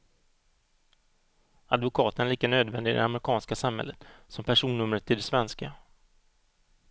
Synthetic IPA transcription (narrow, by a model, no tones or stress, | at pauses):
ad̪vʊkʰɑːt̪ənliːkanøːd̪vɛnd̪ɪɡɪd̪ɛ̰amɾɪkʰɑːnskasamhɛ̰lːət̪sɔmpʰæʂuːnːɵmɾət̪ʰːɪld̪ɛsvɛnska